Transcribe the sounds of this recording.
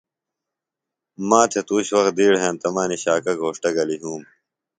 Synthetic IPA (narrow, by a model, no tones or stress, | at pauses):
mãːt̪ʰet̪uːɕwɐx̚d̪iːɽɦẽːnt̪ɐmaːniɕaːkɐɡʱoːʂʈɐɡɐliɦũːm